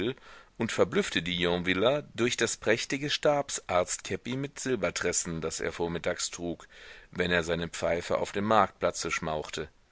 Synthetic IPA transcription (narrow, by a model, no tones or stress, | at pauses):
lʔʊntfɛɐblʏftədiːjɔ̃vɪlɐdʊɐçd̥aspʁ̥ɛçtɪɡəʃtaɐpsʔaɐt͡stkʰɛpimɪtz̥ɪlbɐtʁ̥ɛsn̩dasḛːɐfoːɐmɪtʰaːkstʁ̥uːkvɛneːɐzaɪnəp͡faɪfə̰ʔa̰ʊfd̥eːmːaɐk̚t̚plat͡səʃmaʊxtʰə